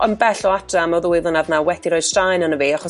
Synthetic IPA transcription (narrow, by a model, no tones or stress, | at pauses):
ɔnbɛɬɔatʰramɔðəwɪðlˠənadnawɛdiɾɔɨd̥stajnənəviːaχɔ